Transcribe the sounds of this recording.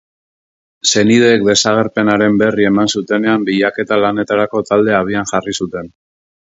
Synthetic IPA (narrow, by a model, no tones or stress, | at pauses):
se̞niðeːk̚d̪e̞saɣe̞ɾpe̞naɾe̞mbe̞rie̞mansut̪e̞ne̞ambiʎake̞t̪alane̞t̪aɾako̞t̪ald̪e̞aβ̞ianʝarisut̪e̞n